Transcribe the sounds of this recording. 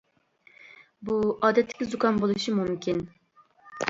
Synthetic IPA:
buɑːd̪ɛt̪ʰːɪ̥kʲizukʰɑnbolˠuʃimumkʲin

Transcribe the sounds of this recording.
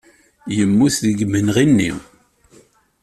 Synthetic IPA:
jəmːuθðəɡmənʁinːḭ

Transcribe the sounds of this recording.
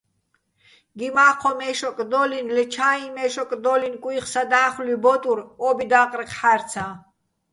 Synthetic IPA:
ɡimaːqʰɔmɛʃɔkʼd̪ɔlinlɛt͡ʃʰaimɛʃɔkʼd̪ɔlinkʼwiχsad̪aːχlibɔt̪ʼuɾɔbid̪aqʼɾqʰħaɾt͡sʰã

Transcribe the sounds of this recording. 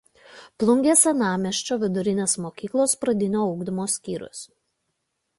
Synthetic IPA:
plˠʊŋʲɡʲeːsʲɛnɑːmʲɛʃʲt͡ʃʲoːʋʲɪd̪ʊɾʲɪnʲeːsmoːkʲiːklˠoːspɾɐd̪ʲɪnʲoːɐʊɡd̪ʲɪmoːsʲkʲiːɾʲʊ̰s

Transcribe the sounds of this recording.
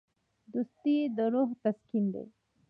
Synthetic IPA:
d̪ust̪id̪əɾoɦt̪askind̪ḛ

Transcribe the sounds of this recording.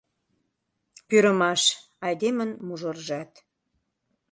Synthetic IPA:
pyɾə̆mɑʃ | ɑjd̪emənmuʒə̆rʒɑt̪

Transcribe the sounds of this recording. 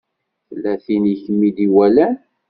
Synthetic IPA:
θəlːæθiniçəmːid̪iwælæ

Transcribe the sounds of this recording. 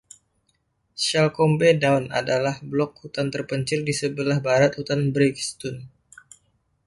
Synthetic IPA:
ʃalkɔmbedawna̰dalahblɔk̚hut̪ant̪ərpəɲt͡ʃɪrdisəbəlahbaɾat̪̚hut̪anbɾikst̪un

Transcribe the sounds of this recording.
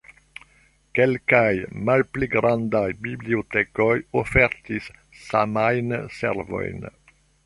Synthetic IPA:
kɛlkajmalpliɡɾand̪ajbibliot̪ɛkojofɛɾt̪isːamajnsɛ̰ɾvo̰jn

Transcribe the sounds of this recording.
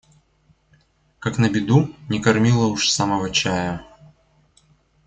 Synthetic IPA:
kaknɐbʲɪd̪unʲɛkɐrmʲilˠɐuʂsamɐvɐt͡ɕajɐ

